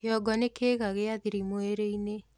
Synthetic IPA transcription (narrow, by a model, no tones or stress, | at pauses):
jɔɡɔnekeːɣaɣeaðiɾimoeɾeine